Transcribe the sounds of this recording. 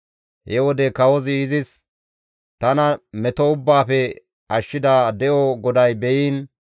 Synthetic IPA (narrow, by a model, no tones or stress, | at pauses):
hɛwɔd̪ɛkɐwɔzɪːzɪs | t̪ɐnɐmɛt̪ɔʊbːaːfɛ | ʔɐʃːɪd̪aːd̪ɛʔɔɡɔd̪ɐjbɛjiːn